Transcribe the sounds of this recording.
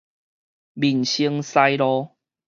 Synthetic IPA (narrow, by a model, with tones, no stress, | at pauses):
bi˨˩nɕi˧əŋsa˧jɾɔ˦